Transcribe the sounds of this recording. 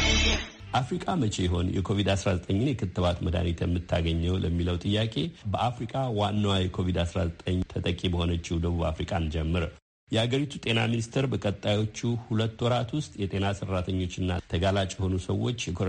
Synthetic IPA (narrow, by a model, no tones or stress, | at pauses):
ʔafɾikʼamət͡ʃʰe̞jɛɦo̞njɛkʰo̞vid̪asɾazət̪ʼəɲːɪnjɛkʰɨt̪ːɨβat̪məd̪a̰nit̪ʰjɛmːɨt̪ʰːaɡəɲːəwləmːiləwt̪ʼɨjːakʼe̞bəʔafɾikʼawanːawajɛkʰo̞vid̪asɾa̰zət̪ʼəɲːt̪ʰət̪ʼəkʼibəho̞nət͡ʃːɪwd̪əβuβa̰fɾikʼand͡ʒɛmːɨɾ | jɛhaɡəɾit̪ʰut̪ʼe̞na̰minist̪ʰəɾbəkʼət̪ʼːajo̞t͡ʃːuhulət̪ːwɔɾat̪wʊst̪ʼjɛt̪ʼe̞nasərːat̪ʰəɲːo̞t͡ʃːɨnːa̰t̪ʰəɡalat͡ʃʼjɛho̞nusəwːo̞t͡ʃːjɛkʰo